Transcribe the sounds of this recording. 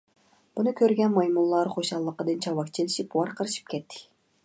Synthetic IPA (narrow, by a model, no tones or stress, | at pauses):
b̥unukʲʰøɾɡʲɛnmɑjmulˠːɑɾχoʃɑlˠːəqːɑd̪ɨnt͡ʃʰɑwɑkt͡ʃʰelʲiʃipuwɑɾqʰəɾɨʃɯ̥p̚kʲʰɛt̪ːi̥